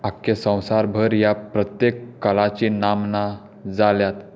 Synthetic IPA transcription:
akːesə̃w̃saɾbʱəɾjapɾət̪jekːəlat͡ɕinamna | d͡zaljat̪

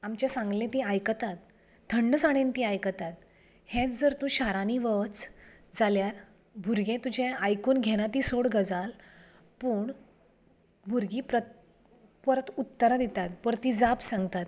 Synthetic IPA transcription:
amt͡ɕjasãŋɡlẽt̪ĩajkət̪at̪̚ | d̪ʰʱəɳːəsaɽ̃ent̪iajkət̪at̪̚ | hẽt͡sd͡zəɾt̪ũɕaɾaniʋət͡s | d͡zaljaɾ | bʱuɾɡẽt̪ud͡ʑʱẽajkuːnɡʱeɽ̃at̪iːsoɽɡʱəd͡zal | puːɳ | bʱuɾɡiːpɾə | pəɾət̪ut̪ːəɾad̪it̪at̪̚pəɾt̪id͡zapsãŋɡt̪at̪̚

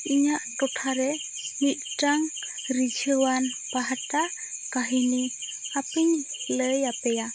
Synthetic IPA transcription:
iɲaʔtɔʈʰaɾɛ | mit̪̚ˀʈaŋ | ɾid͡ʒʰʱəwanpaɦaʈa | kaɦini | apiɲɛləjapɛja

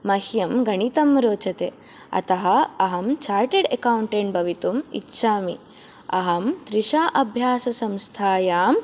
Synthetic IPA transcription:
mɐhjɐmɡɐɳit̪ɐmɾoːt͡ʃɐt̪eː | ɐ̰t̪ɐɦɐɐɦɐmt͡ʃaːɾʈeɖekawɳʈeːɳʈbʱɐʋit̪umḭtːʃaːmi | ɐɦɐmt̪ɾiʃaːʔɐbʱjaːsɐsɐmst̪ʰaːjaːm

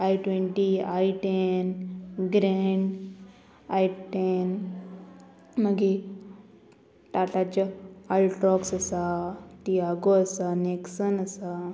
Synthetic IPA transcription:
ajʈʋeɳʈiaiʈenɡɾeɳɖ | ajʈen | məɡi | ʈaʈat͡ɕaalʈɾɔksasat̪iaɡoəsaneksənəsa

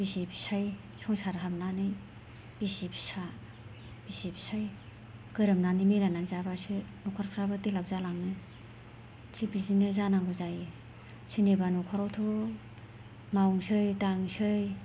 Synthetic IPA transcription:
b̥isipsaj | sʰɔŋsaɾɦamnanɯj | b̥isipsa | b̥isipsaj | kɯɾɯmnanimiɾananzabasɯnɔkʰaɾkʰɾabɯtilawzalaŋnɯ | t͡ʃibizinɯzanaŋɡuzaj | sinebanɔkʰɔɾawtʰo | mawŋsɯjtaŋsɯj

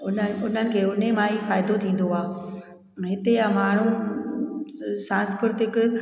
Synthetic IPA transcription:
ʊnənʊn̤ənɪ̆kʰeːʊn̤emaːifaːɪd̪ot̪ʰĩːn̆d̪oaː | ɦɪt̪ejamaːɳ̤ũ | sãːnskɾɪɾt̪ɪk

